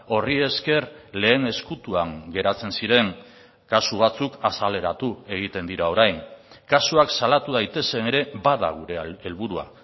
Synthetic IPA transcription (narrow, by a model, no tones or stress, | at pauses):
o̞rie̞ske̞ɾle̞ːne̞skut̪uaŋɡe̞ɾat͡se̞nsiɾe̞ŋ | kasuβ̞at͡sukasale̞ɾat̪ue̞ɣ̞it̪e̞nd̪iɾao̞ɾajŋ | kasuaksalat̪uðajt̪e̞se̞ne̞ɾe̞baða̰ɣuɾe̞elβuɾua̰